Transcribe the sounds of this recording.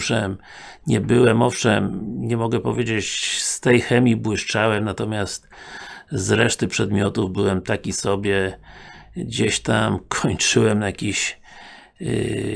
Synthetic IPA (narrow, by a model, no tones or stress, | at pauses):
ʂɛm | ɲɛbɘwɛmɔfʂɛmɲɛmɔɡɛpɔvʲjed͡ʑet͡ɕst̪ɛjxɛmʲibwɘʂt͡ʂawɛmnat̪ɔmʲjast̪ | zɾɛʂt̪ɘpʂɛd̪mʲjɔt̪uvbɘwɛmt̪akʲisɔbʲjɛ | ɡd͡ʑeɕt̪amkʰɔɲt͡ʂɘwɛmnajakʲiɕ